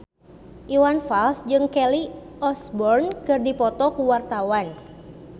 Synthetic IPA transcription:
ʔiwanfalsd͡ʒɨŋkɛli | ɔsbɔrnkɨrdipɔt̪ɔkuwart̪awan

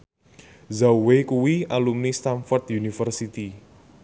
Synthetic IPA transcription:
zawwekuwialumnist̪anfɔrt̪junifərsit̪i

